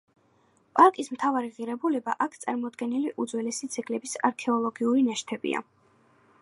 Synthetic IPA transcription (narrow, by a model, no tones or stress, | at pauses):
pʼaɾkʼismt̪ʰavaɾiʁiɾɛbulɛbaʔakʰt̪sʼaɾmɔd̪ɡɛniliʔud̪zwɛlɛsid̪z̥ʰɛɡlɛbisaɾkʰɛɔlˠɔɡiuɾinaʃt̪ʰɛbḭa̰